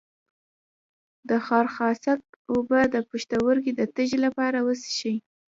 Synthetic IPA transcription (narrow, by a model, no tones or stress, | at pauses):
d̪əxɑɾxɑsak̚obəd̪əpuʃt̪awəɾkid̪ət̪əʒelapɑɾawəsi̥ʃəj